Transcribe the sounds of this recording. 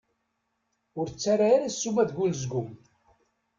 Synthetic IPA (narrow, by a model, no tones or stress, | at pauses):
ʊɾt͡sːaɾaaɾasːumæðɡʷulzɡʊm